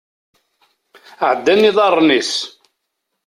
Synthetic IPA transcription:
ʕəd̪ːænːiðˤɑrˤnis

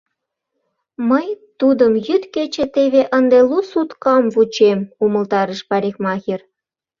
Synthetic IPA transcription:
məjt̪ud̪əmjyt̪ket͡ɕĕt̪eβeʔənd̪elusut̪kɑmvut͡ɕemuməlt̪ɑɾəʃpɑɾʲexmɑxʲir

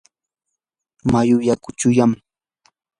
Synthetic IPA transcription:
majʊjakʊt͡ʃʊjam

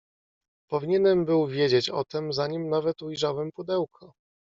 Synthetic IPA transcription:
pɔvʲiɲɛnɛmbɘwvʲjed͡ʑet͡ɕɔ̰t̪ɛmzaɲimnavɛt̪ujʐawɛmpud̪ɛwkʰɔ

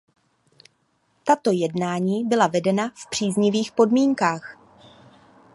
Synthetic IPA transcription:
t̪at̪o̞jɛdnaːɲiːbɪlavɛdɛnafpr̥iːzɲɪviːxpo̞dmiːŋkaːx

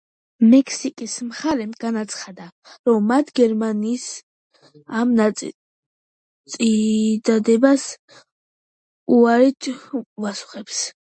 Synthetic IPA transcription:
mɛkʰsikʼismχaɾɛmɡ̥anat̪sʰχad̪aɾɔmːat̪ʰɡɛɾmaniːs | amna | sʼid̪ad̪ɛbas | uaɾit̪ʰvasu̥χɛps

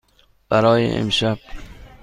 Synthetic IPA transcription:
b̥aɾɒːjḛḛmʃab̥̚

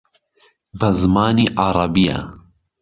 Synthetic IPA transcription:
bɐzmaːniːʔɑɾˤɑbija̰

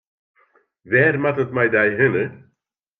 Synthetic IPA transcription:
vɛɾmat̪ət̪majd̪ajɦʏnə

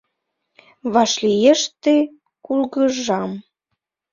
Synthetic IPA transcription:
βɑʃlijeʃt̪e | kulɣəʒɑm

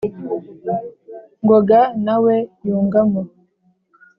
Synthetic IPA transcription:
ŋɡoɡanawejuːŋɡamo

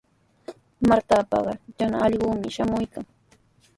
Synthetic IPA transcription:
maɾt̪apɑ̰ɢɑd͡ʒanaɑʎɢʊːmɪʃamʊjkaŋ

